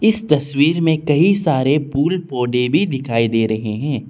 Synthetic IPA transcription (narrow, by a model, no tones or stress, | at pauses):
ɪst̪ɐswiːɾmẽkɐisaːɾepuːlpoːɖẽbʱid̪ɪkʰaːid̪eːɾɐɦeɦɛ̃ː